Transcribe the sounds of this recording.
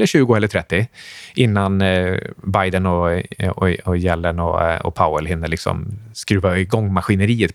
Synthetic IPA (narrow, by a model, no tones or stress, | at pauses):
lːəɾʂʉ̟ːɡʊɛləʈ̪ʰɾɛt̪ːɪʔɪnːan | bajd̪ənɔɔɔjɛlːənɔɔ̰pʰaʊəlɦɪnːəlɪksɔ̰mskɾʉ̟ːvaɪɡɔŋːmaɧɪnəɾiːət̪